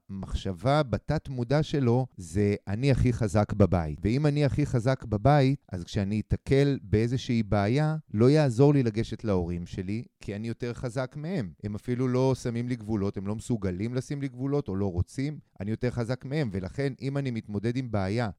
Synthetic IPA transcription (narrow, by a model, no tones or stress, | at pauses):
maχʃavabatatmudaʃe̞lo̞ze̞ʔaniaχiχazakbabaḭtveimaniaχiχazakbabaitʔa̰zkʃeaniit̪akelbee̞zeʃiibeːjalo̞jaːzo̞ʁlilaɡe̞ʃetlao̞ʁimʃe̞likʰianijo̞te̞ʁχazakmehe̞mhe̞mafilulo̞samimliɡvulo̞the̞mlo̞mesuɡalimlasimliɡvulo̞to̞lo̞ʁo̞t͡simʔa̰nijo̞te̞ʁχazakmee̞mve̞laχe̞nʔimanimit̪mo̞d̪e̞d̪imbeaja